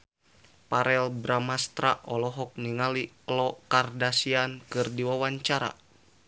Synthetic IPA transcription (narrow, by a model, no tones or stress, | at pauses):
paɾʔɛlbɾamast̪ɾaʔɔlɔɦɔk̚niŋaliklɔkardasiankɨrdiwawaɲt͡ʃaɾa̰